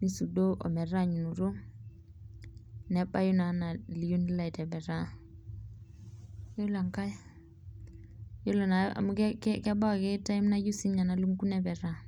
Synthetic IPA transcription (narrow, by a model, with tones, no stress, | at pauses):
ni˦su˨do˦ʔo̰˨mɛ˨ɾa˦ɲu˨nu˨ɾo˦ | nɛ˨ba˦ju˦na˨na˨li˨ju˦nla˦i˨tɛ˨bɛ˨ɾa˦ | jo˦la˨ŋka˦j | jo˦lo˨na˨a̰˨mu˦kkkɛ˦ba˦˨ke˦ta˦i˦mna˦ju˦si˦ɲa˨na˨lu˦ŋku˦ne˦bɛ˨ɾa˦